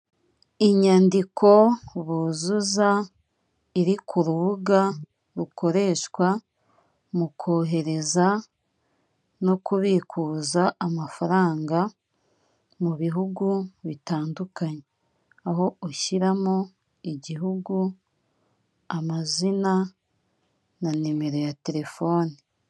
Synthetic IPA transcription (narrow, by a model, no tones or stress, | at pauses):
iɲaːndikʰo̞βuzuza | iɾikuɾuβuɡa | ɾuko̞ɾe̞ːʃkwa | mukʰo̞ːɦe̞ɾe̞za | no̞kuβikʰuːzaːmafaɾaːŋɡa | muβiɦuɡuβitaːndukaɲe | aɦo̞oçiɾamo | iɟiɦuɡu | amazina | nanime̞ɾo̞jate̞ɾe̞fo̞ːni